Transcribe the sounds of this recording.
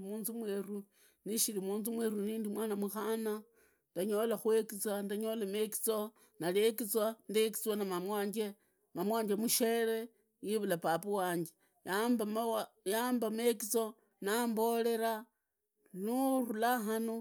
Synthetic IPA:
muːnzumweru | niʃiɾimuːnzumweɾuniːndimwaːnamuxana | ndaɲolaxwe̞kit͡sandaɲo̞lameki̥t͡so | nalekit͡swandek̬i̥t͡swanamamwaːɲɡe | mamwaːɲd͡ʒemuʃeɾe | jiβulapapuwaːɲd͡ʒe | jambamjambamekit͡so̞ | nambo̞le̞ɾa | nurulaɦano

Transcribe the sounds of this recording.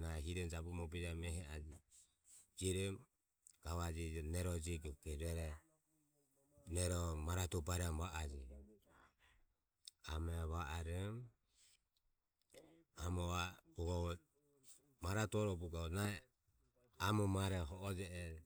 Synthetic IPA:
naɛɦiɾɛnd͡ʒabumɔbɛd͡ʒamɛɦɛad͡ʒi | d͡ʒiɾɛm | ɡ̥aβad͡ʒinɛɾɔd͡ʒiɡɔkɛɾɛɾɛ | nɛɾɔmaɾat̪ɔbaɾɛamβaʔad͡ʒi | amɛβaʔaɾɛm | amɔabuɡɔ | maɾat̪ɔɾɔbuɡanaɛ | amɔmaɾɛɦɔʔːd͡ʒɛɛ

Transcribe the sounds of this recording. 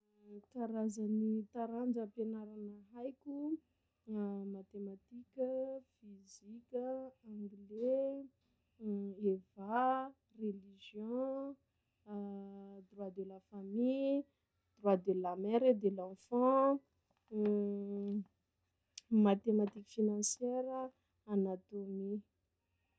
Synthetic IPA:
k̪aɾazanit̪aɾand͡ʒəpenaɾanəɦajkʲu | mat̪emat̪ikʲəfizikʲəãŋɡle | eva | reliʒjɔ̃ | d̪ɾwad̪elafamij | d̪̥ɾwad̪elamɛɾed̪elãfɑ̃ | mat̪emat̪ikʲfinɑ̃sjɛɾəː | nat̪omi

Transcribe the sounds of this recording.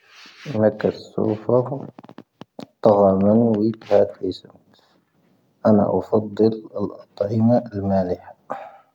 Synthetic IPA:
ʔɪnakːasːṵːfɑɾˤ | t̪ˤːɑɣɑmanwit̪hat̪ʔɪsɪmt̪ | ʔana̰ʔɑfɑd̪ˤːɨlɪlʔɑt̪ˤʕimaalmaːlɪħḁ

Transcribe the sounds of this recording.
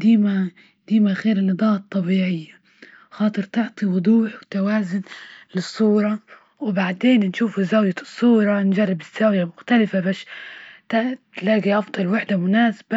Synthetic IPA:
d̪iːma | d̪iːmaɣeːɾɪnːɨd̪ˤɑːɑt̪ˤːɑbiːʕɪjːa | xɑːt̪ˤɨɾt̪ɪʕt̪ˤiwʊd̪ˤuːħwt̪awaːzʊnlɪsˤːuːɾˤɑ | wbaʕd̪eːnnʃuːfuzawjasˤːuːɾˤɑnʒarˤːɪbɪz̥ːawjamʊxt̪alɪfabaːʃt̪at̪laːɡiʔɑfd̪ˤɑlwɪħd̪amʊnaːsḁba

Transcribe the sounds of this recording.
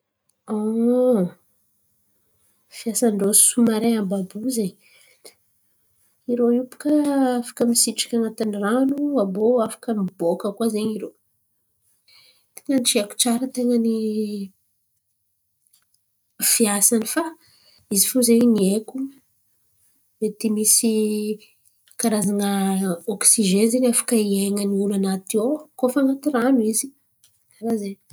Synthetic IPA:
o | fiasanɖ͡ʐosumaɾeambabuzeɲ | iɾoiupu̥kəafḁkəmisiʈ͡ʂḁkʲanat̪iniranuaboafḁkəmibokəkwazeɲiɾo | t̪e̥ŋənʈ͡ʂiaku̥ʈ͡ʂaɾət̪eŋəni | fiasanifa | izifozeɲniekʲu | et̪imisi | kaɾazaŋəoksiʒenzenafḁkəieŋəniulanat̪iokofaŋat̪iranuizi̥ | aɾazeɲ

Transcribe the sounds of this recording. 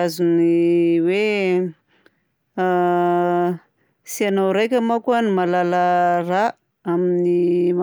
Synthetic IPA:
azuniwe | sianawɾejkʲamakuanimalaləra | aminima

